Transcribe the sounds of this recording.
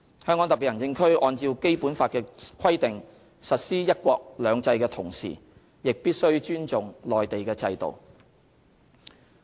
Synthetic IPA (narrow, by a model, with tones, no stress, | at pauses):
hœː˥ŋkːɔ˨˥ŋt̪ɐ˨pi˨˩jɐ˨˩nt͡sɪ˧ŋkʰɵ˥ɥʔɔː˧nt͡siː˧wke˥jpuː˨˥nfaː˧t̚kɛː˧kʷʰɐ˥jt̪ɪ˨ŋ | sɐ˨t̚siː˥jɐ˥t̚kʷɔː˧k̚lœː˨˧ŋt͡sɐ˧jkɛː˧t̪ʰʊ˨˩ŋsḭː˨˩ | jɪ˨k̚piː˥t̚sɵ˥ɥt͡ʃyː˥nt͡sʊ˨ŋlɔː˨jt̪e˨jkɛː˧t͡sɐ˧jt̪o̰˨˩w